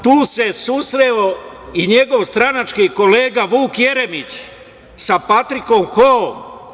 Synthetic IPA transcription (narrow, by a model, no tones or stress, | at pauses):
t̪uːse̞susɾeoiɲe̞ɡo̞ʋst̪ɾanat͡ʃkiko̞leːɡaʋuːkje̞ɾemit͡ɕ | sapat̪ɾiko̞mxoom